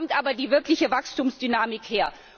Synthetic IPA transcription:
ɔmtʔaːbɐdiːvɪɐklɪçəvakstuːmsd̥ynaːmɪkheːɐ

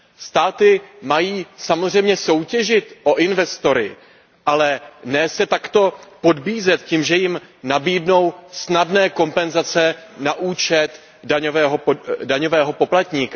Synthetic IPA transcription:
st̪aːt̪ɪmajiːsamozr̝ɛjmɲɛso̞wcɛʒɪt̪ʔo̞ʔɪnvɛst̪o̞ɾɪ | ʔalɛnɛːsɛt̪akt̪o̞po̞dbiːzɛt̪ciːmʒɛjɪmnabiːdno̞wsnadnɛːko̞mpɛnzat͡sɛnaʔuːt͡ʃɛt̪ | daɲovɛːɦodaɲo̞vɛːɦo̞po̞plat̪ɲiːka

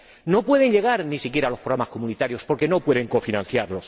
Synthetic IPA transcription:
no̞pwe̞ð̞e̞ɲʎe̞ɣ̞aɾnisikje̞ɾalo̞pɾoamasko̞munit̪aɾjo̞spo̞ɾke̞no̞pwe̞ðe̞ŋko̞finãn̟θjaɾlo̞s

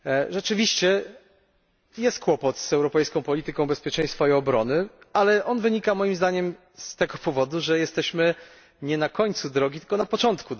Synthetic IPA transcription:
ʐɛt͡ʂɘvʲiɕt͡ɕɛ | jɛst̪̚kwɔpɔt̪sɛwɾɔpɛjskɔ̃w̃pɔlʲit̪ɘkɔ̃w̃bɛspʲjɛt͡ʂɛ̃j̃st̪faiɔbɾɔnɘalɛʔɔnvɘɲikamɔjimzd̪aɲɛm | st̪ɛɡɔpɔvɔd̪uʐɛjɛst̪ɛɕmɘ | ɲɛnakɔɲt̪sud̪ɾɔɡʲit̪ɘlkɔnapɔt͡ʂɔnt̪ku

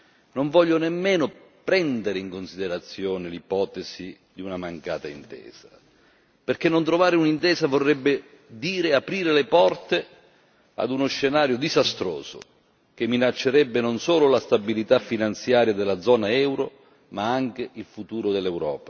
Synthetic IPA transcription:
noɱvɔʎːʊnemːeːnʊpɾɛnd̪eɾɪiŋkonsid̪eɾat̪sːjɔːnɪlipɔːt̪esi | d̪iunamaŋka̰ːt̪aint̪ɛ̰ːza | perk̟enːont̪ɾovaːɾɪunint̪ɛːsavorːɛbːɪ | d̪iːɾeapɾiːɾelepɔrt̪e | a̰d̪unosːenaːɾjʊd̪izast̪ɾo̰ːzʊ̰ | k̟emːinat͡ʃːeɾɛbːɪnonsoːlʊlast̪abilit̪afːinant̪sjaːɾjad̪elːad̪zɔːnaɛwɾo | maaŋk̟ɪilfut̪uːɾʊd̪elːɛwɾɔ̰ːpa

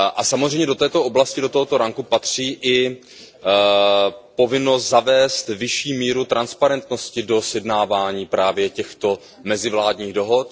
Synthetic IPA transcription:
ʔasamozr̝ɛjmɲɛdo̞t̪ɛːt̪o̞ʔo̞blascɪdot̪oɦot̪o̞ɾaŋkupat̪r̝̥iːʔɪ | po̞vɪno̞st̪zavɛːst̪vɪʃiːmiːɾut̪ɾanspaɾɛnt̪no̞scɪdo̞sjɛdnaːvaːɲiːpɾaːvjɛcɛxt̪o̞ | mɛzɪvlaːdɲiːɣdo̞ɦo̞t̪

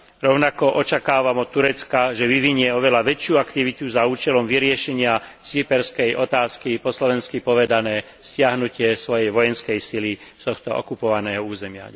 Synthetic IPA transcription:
ɾɔʊnakɔʔɔt͡ʃakaːʋamɔt̪ːuɾɛt͡skaʒɛʋiʋiɲɪɛɔʋɛlaʋɛt͡ʃɪuakt̪iʋit̪uzauːt͡ʃɛlɔmʋiɾɪɛʃɛɲɪat͡sipɛɾskɛjʔɔt̪aːskipɔslɔʋɛnskipɔʋɛd̪anɛː | scɪaɦnucɪɛsʋɔjɛjʋɔjɛnskɛjsilist̪ɔxt̪ɔʔɔ̰kupɔʋanɛːɦɔuːzɛmɪa̰

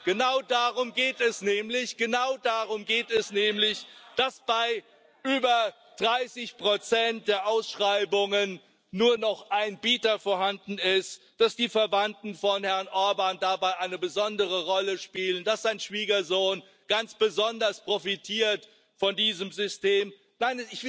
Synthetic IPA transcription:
ɡ̥ənaʊdaːʁʊmɡeːtɛsnɛːmlɪçɡ̥ənaʊdaʁʊmɡeːtɛsnɛːmlɪçd̥asb̥aɪ | ʔyːbɐ | d̥ʁaɪsɪçpʁ̥ot͡sɛnt̚d̥eːɐʔaʊsʃʁ̥aɪbʊŋənː | uːɐnɔχʔaɪnbiːtɐfoːɐhandn̩ɪst | d̥asd̥iːfɛɐvantn̩fɔnhɛɐnʔɔɐbandabaɪʔaɪnəbəzɔndəʁəʁɔləʃpiːlənd̥asz̥aɪnʃv̥iːɡɐzoːn | ɡ̥ant͡sb̥əzɔndɐspʁ̥ofitʰiːɐt | fɔndiːzəmzʏsteːm | naɪnɪç̥

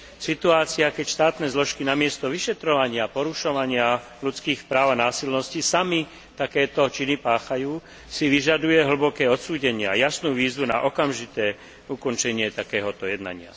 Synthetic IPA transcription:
sit̪uaːt͡siakɛcʃt̪aːt̪nɛzlɔʃkinamɪɛst̪ɔʋiʃɛt̪ɾɔʋaɲɪapɔɾuʃɔʋaɲɪa | lut͡skiːxpɾaːʊanaːsilnɔscisami | t̪akɛːt̪ɔt͡ʃinipaːxajuː | siʋiʒad̪ujɛɦl̩bɔkɛːɔt̪suːɟɛɲɪajasnuːʋiːzʋuna̰ʔɔkamʒit̪ɛː | ukɔnt͡ʃɛɲɪɛt̪akɛːɦɔt̪ɔjɛd̪na̰ɲɪa̰

